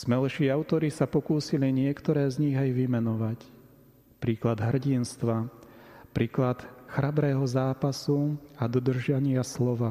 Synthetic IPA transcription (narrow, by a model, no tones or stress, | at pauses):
z̥mɛlʃiːaʊt̪ɔɾisapɔkuːsiliɲɪɛkt̪ɔɾɛːzɲiɣajʋimɛnɔʋac | pɾiːklad̪ɦr̩ɟinst̪ʋa | pɾiːklat̪xɾabɾɛːɦɔzaːpasuad̪ɔd̪r̩ʒɪaɲɪaslɔʋa